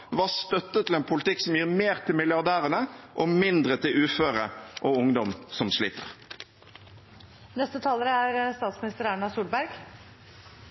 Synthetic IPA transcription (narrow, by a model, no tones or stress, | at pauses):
ʋɑːst̪œt̪ːət̪ʰɪleːnpʰʊlɪt̪ʰɪksɔmjiːʁmeːʁt̪ʰɪlmɪljɑʁd̪æːʁənəʔomɪnd̪ʁət̪ʰɪlʉːføːʁəʔoʊŋd̪ɔmsɔmsliːt̪ə̰ʁ | nɛst̪ət̪ʰɑːləɾəæɾst̪ɑːt̪smɪnɪst̪əɾæɳɑsuːlbæɾɡ